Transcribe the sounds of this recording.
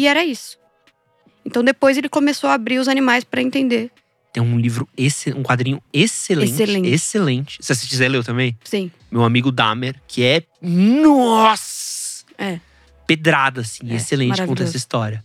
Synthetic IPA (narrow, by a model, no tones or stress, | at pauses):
ɪɛɾɐisʊ̥ | ẽnt̪ɐ̃w̃d̪epojzelɪkomesowɐabɾiɾʊzanimajspɾɐẽnt̪ẽnd̪eɾ | t̪ẽj̃ũlivɾʊeseũkwad̪ɾĩɲʊeselẽselt͡ʃẽeselẽt͡ʃɪ̥sɪasɪkizɛlewt̪ɐ̃mbẽj̃sĩ | mewamiɡʊd̪ameɾkʰɪɛ | nɔs | ɛ | ped̪ɾad̪ɐasĩeselẽt͡ʃɪkkõt̪ɛsɐist̪ɔɾjɐ